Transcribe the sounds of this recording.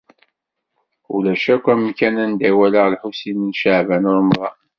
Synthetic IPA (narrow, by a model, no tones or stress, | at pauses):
ṵlæʃækʷːæmkænænd̪æwæləʁlħusininʃaʕvænoɾmðˤɑ